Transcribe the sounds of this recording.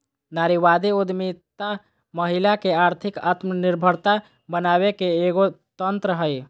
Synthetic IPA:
naɾiʋad̪iud̪mit̪a | məɦilakeaɾt̪ʰɪka̰t̪məniɾbʱəɾt̪a | bənaβekeːɡot̪ənt̪ɾəɦəj

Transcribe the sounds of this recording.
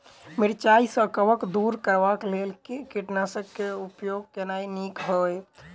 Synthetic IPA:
miɾt͡ʃaisə̃kəʋəkd̪uɾkəɾʋaklelkekiʈnasəkkːeupjoɡ̚kenainikbʱəj

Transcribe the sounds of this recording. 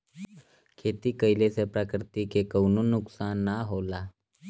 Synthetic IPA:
kʰet̪iːkəjlesepɾakɾɪt̪ikekəwnunuksanːaɦola

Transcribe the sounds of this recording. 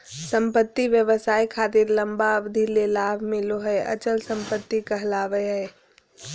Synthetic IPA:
sə̃mpət̪ːiʋjəʋəsaːikʰaːt̪ɪɾlə̃mbaəbd̪ʱilelaːbʱmɪloɦɛʔɐ̰t͡ʃəlsə̃mpət̪ːikɐɦlaːʋəɦɛː

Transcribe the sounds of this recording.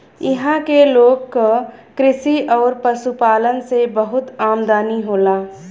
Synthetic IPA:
ɪɦãkeloːɡkokɾɪsiɔːɾpəsupaːlənsebəɦʊt̪aːmd̪aːniɦoːlaː

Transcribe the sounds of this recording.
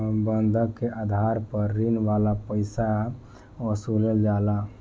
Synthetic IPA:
bənd̪ʱəkkːeʔad̪ʱaɾpəɾːinʋalapəɪsa | əsuləld͡ʒala

